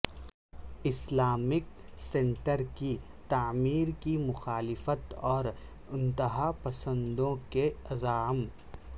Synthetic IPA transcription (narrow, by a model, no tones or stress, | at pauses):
ɪslaːmɪk | sẽːɳʈəɾki | t̪aːmiːɾkimʊxaːlɪfət̪ɔːɾ | ɪ̃nt̪əɦapɐsə̃nd̪õkeɐzaːm